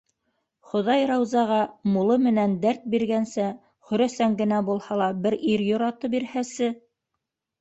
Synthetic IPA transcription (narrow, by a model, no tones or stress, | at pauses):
χŏðɑjɾɑwzɑʁɑmulˠɤmɘ̆nænd̪æɾt̪̚biɾɡænsæ | χɵ̆ɾæsæŋɡɘ̆næbulˠhɑlˠɑbɘɾiɾjŏɾɑt̪ɤp̚biɾhæsɘ